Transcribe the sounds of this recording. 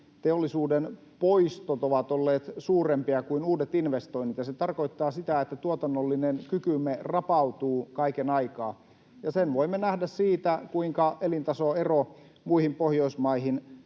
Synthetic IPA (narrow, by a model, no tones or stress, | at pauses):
t̪eolːisuːden | poist̪ot̪oʋɑt̪olːeːt̪suːrempiɑkuinuːdet̪inʋest̪oinːit̪jɑset̪ɑrkoit̪ːɑːsit̪æet̪ːæt̪uot̪ɑnːolːinenkykymerɑpɑut̪uːkɑikenɑikɑː | jɑsenʋoimːenæhdæssiːt̪ækuiŋkɑelint̪ɑsoero | muihimpohjoismɑihin